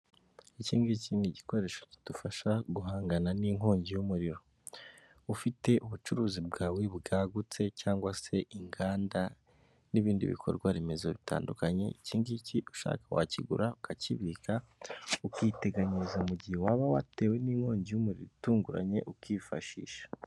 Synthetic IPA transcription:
iciːŋɡiciŋiɟiko̞ɾe̞ːʃo̥ci̥d̥ufaʃaɡuɦaːŋɡananiŋo̞ːɲɟijumuɾiɾo | ufite̞ʔuβut͡ʃuɾuːzibɡaːwibɡaːɡut͡se̞caːŋɡwase̞iŋɡaːnda | niβiːndḭβḭkʰo̞ɾɡwaɾimezo̞βitʰa̰ːndukaɲe̞̰iciːŋɡiciʔuʃa̰ːkawa̰ciɡṵɾaukʰaciβikaukite̞ɡaɲizaumuɟihewaβawa̰te̞ːwe̞niːŋ̥ho̞ːɲɟijumuɾḭɾutuːŋɡuɾa̰ɲe̞ʔukifa̰ʃḭːʃḁ

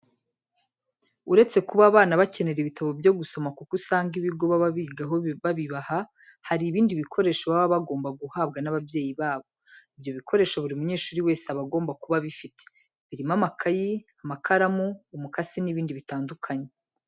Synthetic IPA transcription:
uɾe̞t͡se̞kuβaːβaːnaβace̞ne̞ɾeβitaβo̞bjo̞ɡuso̞makukusaːŋɡiβiɡo̞βaβaβiɡaɦoβaβiβaha | haɾiːβiːndiβikʰo̞ɾe̞ːʃaβaβaβaɡo̞ːmbaɡuhaːbɡanaβabje̞ːjiβaːβo̞ibjo̞βikʰo̞ɾe̞ʃaβuɾimuɲe̞ːʃuːɾiwe̞ːsaβaɡo̞ːmbakuβaβifitʰe̥ | βiɾimamakʰajiamakʰaɾamuːmukasiniβiːndiβitaːndukʰaɲe

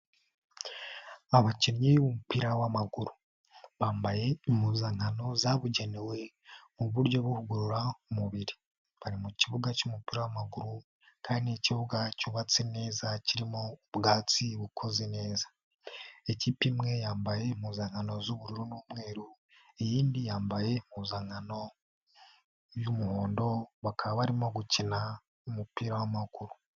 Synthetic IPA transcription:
aβaciɾɲejomumupiɾawamaɡuɾu | βaːmbaje̞imhuːzaŋhano̞zaβuɟe̞newe̞ | muβuɾjo̞βuhuɡuɾuɾaumuβiɾi | βaɾimuciβuɡacumupiɾawamaɡuɾu | kʰaːndieciβuɡacuβat͡sene̞ːzaciɾimoβɡaːt͡siβukʰo̞zene̞ːzḁ | ecipimŋe̞jaːmbaje̞muːzaŋano̞zuβuɾiɾunuːmŋe̞ːɾu | ejiːndijaːmbaje̞muːzaŋano̞ | jumuho̞ːndo̞βakʰaβaβaɾimo̞ɡucina | umupiːɾawamaɡuɾu

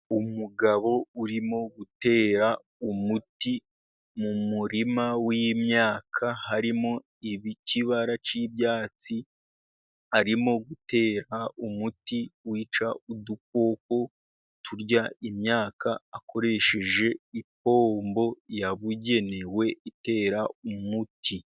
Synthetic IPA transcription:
umuɡaβo̞uɾimo̞ɡute̞ːɾa | umuti | mumuɾimawimɲaːkʰahaɾimo̞ | iβiciβaɾat͡ʃibjaːt͡si | aɾimo̞ɡute̞ːɾaumutiwiːt͡ʃauduk̚wo̞ːk̚o̞ | tuɾɟaimɲaːkaːkʰo̞ɾe̞ʃe̞ʒe̞ip̚o̞ːmbo̞jaβuɟe̞ne̞we̞ite̞ːɾaumutʰi

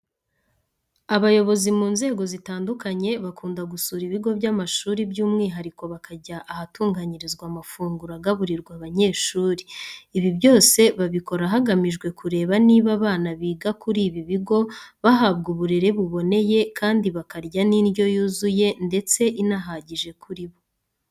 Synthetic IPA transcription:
aβajo̞βo̞zimuːnze̞ːɡo̞zitaːndukaɲe̞βakʰuːndaɡusuːɾiβiɡo̞bɟamaʃuːɾibjuːmŋiːɦaɾiko̞βakʰaɟaʔahatuːŋɡaɲiɾizɡwamafuːŋɡuɾaɡaβuɾiɾɡwaβaɲe̞ːʃuːɾiːβibjo̞ːse̞βaβiko̞ɾaɦaɡamiʒɡwe̞kuɾe̞ːβaniβaβaːnaβiːɡakuɾiːβiβiɡo̞βaɦaβɡuβuɾe̞ɾe̞βuβo̞ne̞je̞kʰaːndiβakaɾɟaniɾɟo̞juːzuje̞nde̞t͡se̞ʔinaɦaɟiʒe̞kuɾiβo̞

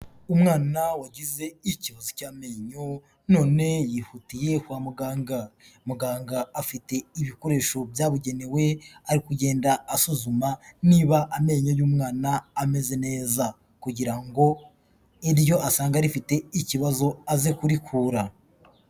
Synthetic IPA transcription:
umŋaːnawaɟize̞iciβazocaːme̞ːɲo̞ | no̞ːne̞jihutije̞hwaːmuɡaːŋɡa | muɡaːŋɡaːfite̞iβiko̞ɾe̞ːʃo̞bjaːβuɟe̞newe̞aɾikuɟe̞ːndaːsuzumaniːβaʔːme̞ɲo̞juːmŋaːnaːme̞ze̞ne̞ːza | kuɟiɾaŋɡo̞ | iɾjo̞ʔasaːŋɡaɾifite̞iciβazo̞azekuɾikʰuːɾa

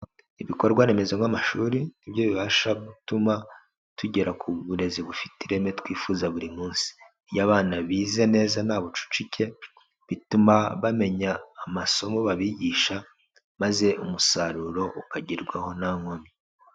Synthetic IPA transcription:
iβiko̞ɾɡwane̞me̞zoŋamaʃuːɾinibjo̞βiβaʃaɡutuma | tuɟe̞ɾakʰuβuɾe̞ziβufi̥tiɾe̞me̞tkwiːfuːzaβuɾimuːnsi̥ | jaβaːnaβiːze̞ne̞ːzanaːβot͡ʃu̥t͡ʃicʰe̞ | βitumaβame̞ɲaːmaso̞mo̞βaβiɟiːʃa | maze̞ʔumusaɾuɾo̞ukaɟiɾɡwaho̞naŋomi

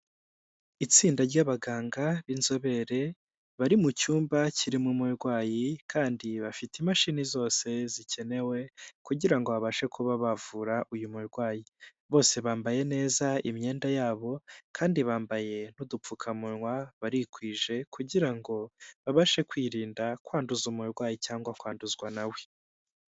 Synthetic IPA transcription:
it͡siːndaɾɟaβaɡaːŋɡaβinzo̞βe̞ɾe̞ | βaɾimucuːmbacʰiɾimumiɾɡwaːjikʰaːndiβafitimaʃiːnizo̞ːse̞zicʰe̞ne̞we̞kuɟiɾaŋɡo̞βaβaʃe̞kʰuβaβavuɾaʔujumuɾɡwaːjiβo̞ːse̞βaːmbaje̞ne̞ːzaimɲe̞ːndajaːβo̞kʰaːndiβaːmbaje̞nudup͡fukʰamunŋwaβaɾikwiːʒe̞kʰuɟiɾaŋɡo̞βaβaʃe̞kwiːɾiːndakwaːnduzumuuɾɡwaːjicaːŋɡwakwaːnduzɡwanawe̥

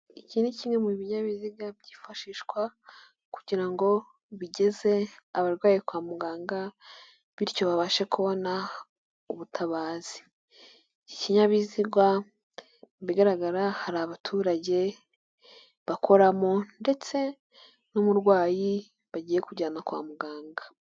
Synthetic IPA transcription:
iciːniciːŋwemuβiɲaβiziɡabɟiːfaʃiːʃkwa | kuɟiɾaŋɡo̞ | βiɟe̞ze̞aβaɾwaːjikwaːmuɡaːŋɡa | βiɾco̞βaβaʃekuβo̞na | uβutʰaβaːz̥i̥ | iciɲaβiziɡwa | βiɡaɾaɡaɾahaɾaːβatʰuːɾaɟe̞ | βakʰo̞ɾamonde̞t͡se̞ | nomuɾɡwaːji | βaɟiːje̞kuɾɟaːnakwa̰ːmuɡaːŋɡa

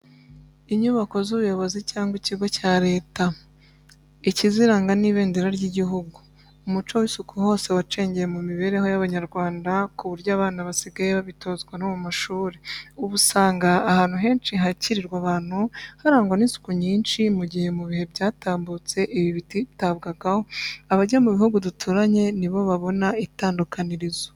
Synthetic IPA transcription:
iɲuβako̞zuβujo̞βo̞zicaːŋɡwiciɡo̞caːɾe̞ːta | iciziɾaːŋɡaniβe̞ːndeɾaɾɟiɟiɦuɡuː | mut͡ʃo̞wisukʰuho̞ːse̞wat͡ʃeːɲɟejemumiβe̞ɾe̞ɦo̞jaβaɲaɾɡwaːndakuβuɾɟaːβaːnaβasiɡajeβaβitʰo̞ːzɡwanomumaʃuːɾeuβusaːŋɡaːhaːn̥huɦe̞ːnt͡ʃiɦaciɾiɾɡwaβaːn̥huhaɾaːŋɡwaninsu̥kuɲiːnʃimuɟihe̞muβihe̞bɟaːtaːmbut͡se̞ʔiβiβititaβɡaɡaho̞aβaɟamuβihuɡudutʰuɾaɲe̞niβo̞βaβo̞naitaːndukaniɾizo

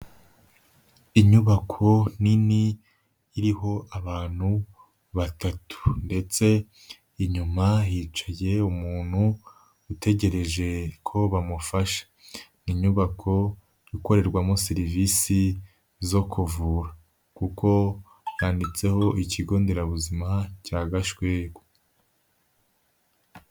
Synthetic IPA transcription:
iɲuβakʰo̞niniː | ɾiho̞ʔaβaːn̥hu | βatatʰu̥nde̞t͡se̞ | iɲumahiːt͡ʃaje̞umuːn̥hu | ute̞ɟe̞ɾe̞ʒe̞kʰo̞βamufaʃḁ | niɲuβakʰo̞ | juko̞ɾe̞ɾɡwamoseɾivisi | zo̞kuvuːɾa | kuko̞ | jaːndit͡se̞ho̞iciɡo̞ːnde̞ɾaβuzimacaːɡaʃɡweɡo

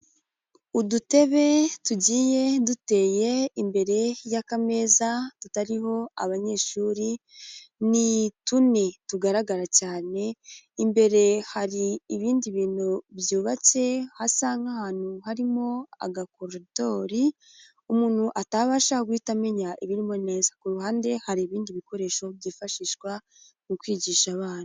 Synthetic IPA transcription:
udute̞βe̞tuɟiːje̞dute̞ːje̞imbe̞ɾe̞jakame̞ːzatutaɾiɦo̞a̰βaɲe̞ːʃuːɾi | nitunetuɡaɾaɡaɾacaːne̞imbe̞ɾe̞haɾiːβiːndiβiːnubjuːβat͡se̞hasaːŋɡahaːn̥huhaɾimo̞a̰ɡakoɾito̞ɾi | umuːn̥huʔataβaʃaɡwiːtame̞ɲaʔiβiɾimo̞ne̞ːzḁkuɾuhaːnde̞haɾiːβiːndiβiko̞ɾe̞ːʃo̞βjiːfaʃiːʃɡwa | nukwiːɟiːʃaβaːn̥hu

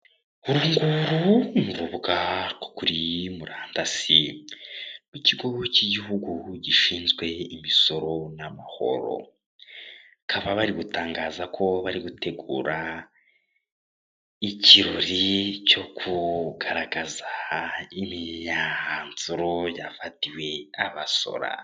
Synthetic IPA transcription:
uɾuŋɡuɾuɱvuβɡako̥kuɾimuɾaːndasi | kwiciɡociɟihuɡuɟiʃiːnzɡwe̞imiso̞ɾo̞namaho̞̰ɾo̞̰ | akʰaβaβaɾiɡutaːŋɡaːzakʰo̞βaɾiɡutʰe̞ɡuːɾa | iciɾoɾico̞kʰuɡaɾaɡazaimiɲanzuɾo̞jafatiwe̞aβaso̞̰ɾa̰

